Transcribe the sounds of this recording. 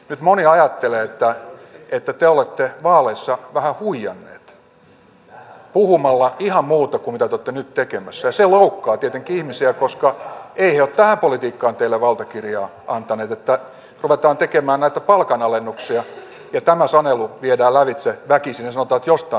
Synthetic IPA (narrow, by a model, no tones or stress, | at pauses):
nyt̪moniɑjɑt̪ːeleːet̪ːæet̪ːæt̪eolet̪ːeʋɑːleisːɑʋæhæhuijɑnːḛːt̪ | puhumɑlːɑihɑmmuːt̪ɑkummit̪æt̪eot̪ːenyt̪t̪ekemæsːæjɑseloukːɑːt̪iet̪eŋkiihmisiækoskɑeiheot̪t̪æhæmpolit̪iːkːɑːnt̪eilːeʋɑlt̪ɑkirjɑː | ɑnt̪ɑneːt̪et̪ːæ | ruʋet̪ɑːnt̪ekemæːnnæit̪æpɑlkɑnɑlenːuksiɑ | jɑt̪æmæsɑneluʋiedæːlæʋit̪seʋækisinesɑnot̪ɑːt̪jost̪ɑ